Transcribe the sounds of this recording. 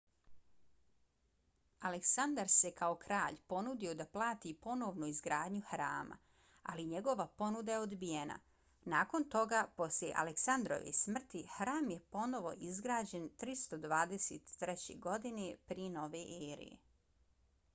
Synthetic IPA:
aleksand̪aɾsekao̞kɾaːʎpo̞nud̪io̞d̪aplˠaːt̪ipo̞no̞ːʋnuizɡɾaːd̪ɲuxɾa̰ːma̰ | aliɲe̞ɡo̞ʋapo̞nud̪ajeo̞d̪bijena̰ | naːko̞nt̪o̞ɡaːpo̞sljʲḛʔa̰leksand̪ɾo̞̰ʋḛsmr̩t̪ixɾaːmje̞po̞no̞ʋo̞̰ʔizɡɾaːd͡ʑe̞nt̪ɾist̪o̞d̪ʋaːd̪eseːt̪ːɾɛt͡ɕḛɡo̞d̪inepɾieno̞ʋeʔeːɾḭjḛ

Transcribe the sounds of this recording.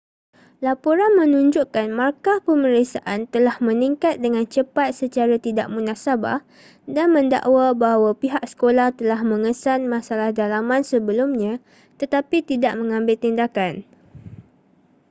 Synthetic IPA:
lapoɾanmə̃nũɲd͡ʒuʔkanmarkapəməɾiksaʔant̪əlahmə̃niŋkat̪̚dəŋãnt͡ʃəpat̪̚sət͡ʃaɾat̪idaʔmunasaba̰h | danmə̃nda̰ʔwabaɦawapiɦak̚sə̥kolaht̪əlaɦmə̃ŋəsanmãsalahdalamãnsəbəlumɲã | t̪ət̪apit̪idaʔ̚mə̃ŋãmbɪlt̪indakan

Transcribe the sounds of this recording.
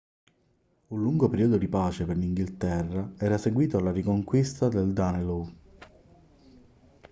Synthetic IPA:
ulluŋɡopeɾiːoːd̪od̪ipaːt͡ʃeperliŋɡilt̪ɛrːaɛːɾaseɡwiːt̪oalːaɾikoŋkwist̪ad̪eld̪anelu

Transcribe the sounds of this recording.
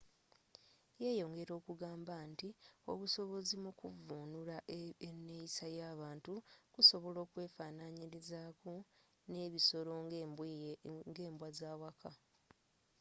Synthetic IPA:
je̞ːjo̞ːŋɡe̞ɾo̞ːkuɡaːmbantio̞̰βuso̞βo̞zimukuvuːnulaenːejisajaːβaːntukuso̞βo̞lo̞ːkwe̞ːfaːnaɲiɾizaːku | ne̞ːβiso̞ɾo̞ | ŋɡe̞ːmbwazaːwakʰa

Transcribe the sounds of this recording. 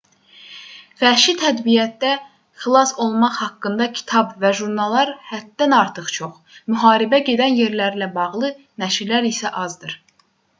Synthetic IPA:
fæʃit̪ʰæd̪bijæt̪̚d̪æ | xilˠɑso̞lˠmɑχhɑkːɯnd̪ɑcʰi̥t̪ʰɑbvæʒuɾnɑlˠɑɾhæt̪̚ːænɑɾt̪ʰɯχt͡ʃʰo̞χ | myɦɑːɾibæɟe̞d̪ænje̞ɾlæɾilæbɑʁlˠɯ | næʃiɾlæɾisæʔɑzd̪ɯɾ̥

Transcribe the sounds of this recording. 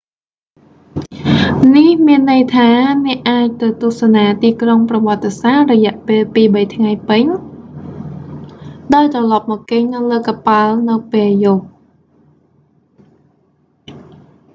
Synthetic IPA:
nihmiənːɨjt̪ʰaːnɛ̆əʔaːc̚t̪ɨwt̪ŭəhsanaːt̪iːkroŋprɑʋɔ̆ət̪ːesahrɔjɛ̆əʔpeːlpiːɓəjt̪ʰŋajpɨɲ | ɗaɔjt̪rɑlɑp̚mɔkkeɲnɨwləːkapaəlnɨwpeːljʊh

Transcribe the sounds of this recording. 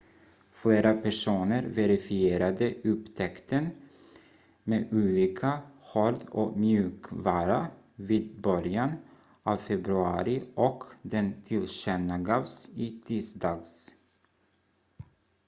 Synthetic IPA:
fleːɾapʰæʂuːnəɾvɛɾɪfɪeːɾad̪əɵpt̪ʰɛkt̪ən | meːʉːliːkʰahoɾd̪ɔmjʉ̟ːkvɑːɾa | viːd̪bœɾjan | ʔɑːvfɛbɾɵɑːɾɪʔɔkd̪ɛnt̪ʰɪlɕɛnːaɡɑːvsɪt̪ʰiːsd̪ɑːɡs

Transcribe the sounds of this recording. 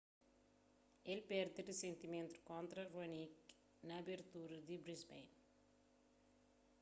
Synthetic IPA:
elpeɾd̪iɾisent̪iment̪ɾukɔnt̪ɾɐrɐnik | nɐbeɾt̪uɾd̪ibɾisbḛjn

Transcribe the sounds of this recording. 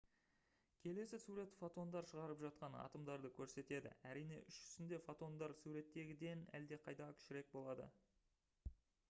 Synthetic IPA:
kʲʰe̞le̞sɪsuɾe̞t̪fot̪o̞nd̪ɑɾʃəʁɑɾəpʒɑt̪̚qɑnɑ̰t̪əmd̪ɑɾd̪əkʲʰɵɾse̞t̪e̞d̪ɪ̰æɾijne̞̰ʔʏʃʒʏ̥zɪnd̪e̞fot̪o̞nd̪ɑɾsuɾe̞t̪ːe̞ɡʲɪd̪e̞næ̰ld̪e̞qʰɑjt̪ɑkʲʰɪ̥ʃɪɾe̞k̚bo̞lˠɑd̪ə̰

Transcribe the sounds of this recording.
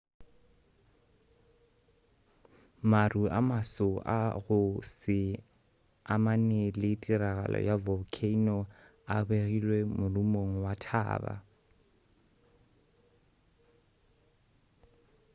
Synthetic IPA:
marua̰masʊʔa̰ɣʊsɪ | amanelɪtʼiraɣa̰lɔ̰javɔkʰeinɔ | abeɣilwemʊlumoŋ̩watʰa̰ːba̰

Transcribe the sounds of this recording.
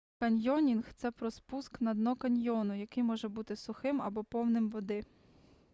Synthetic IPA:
kɐnʲjɔnʲinxt̪sɛpɾɔspusknɐd̪nɔkɐnʲjɔnʊjɐkɪjmɔʒɛbut̪ɪsʊxɪmɐbɔpɔwnɪmʋɔd̪ɪ

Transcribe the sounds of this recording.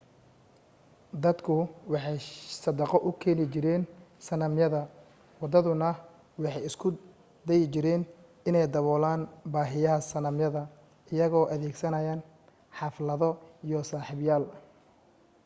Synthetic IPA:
d̪ɐd̪kʰʊwɑħɑjsɐd̪ɐqɔʔʊkʰɛːnɪt͡ʃɪɾɛːnsɐnɐmjɐðɐ | wɑd̪ɐðʊnɐ | wɑħɑjɪskʰʊ | d̪ɛjɪt͡ʃɪɾɛːn | ɪnɛjd̪ɐβɔːlaːnbaːɦɪjɐɦɐsɐnɐmjɐðɐ | ɪjɐɣɔːʔɐðɛːɡsɐnɐjaːn | ħɑflɐðɔijɔsaːħɪβjaːl

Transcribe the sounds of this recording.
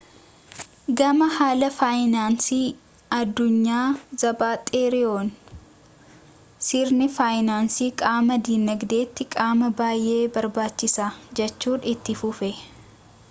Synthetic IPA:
ɡɐmɐhaːlɐfaːjnaːnsiː | ɐd̪ːʊɲːaːzɐbaːt̪ʼeːɾɪoːn | sɪɾnɪfaːjɪnaːnsiːkʼaːmɐd̪iːnːɐɡd̪e̞ːt̪ːɪkʼaːmɐbaːjʔe̞ːbɐɾbaːt͡ʃːɪsaːd͡ʒɛt͡ʃːuːnɪt̪ːɪfʊfɛ

